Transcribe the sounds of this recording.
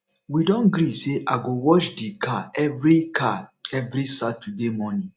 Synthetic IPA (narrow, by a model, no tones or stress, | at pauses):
widɔ̃nɡɾiseʔaɡowɔʃdikʰaɛvɾikʰaɛvɾisatudemɔnĩ